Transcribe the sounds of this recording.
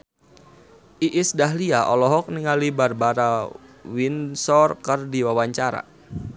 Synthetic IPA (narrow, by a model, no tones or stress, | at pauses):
ʔiʔisdaɦliaʔɔlɔɦɔk̚niŋalibarbaɾawinsɔrkərdiwawaɲt͡ʃaɾa̰